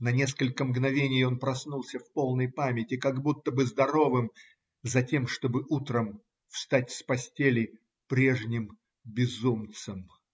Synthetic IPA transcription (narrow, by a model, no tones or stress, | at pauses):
nɐnʲe̞skəlʲkəmɡnɐvʲenʲɪjo̞npɾɐsnulˠsʲəfpo̞lˠnəjpamʲɪtʲɪkaɡbut̪ːəbɨzd̪ɐɾo̞vɨm | zɐtʲe̞mʂt̪o̞bɨʔut̪ɾəm | fst̪atʲspɐsʲtʲelʲɪj | pɾʲe̞ʐnʲɪm | bʲɪzumt̪sɨm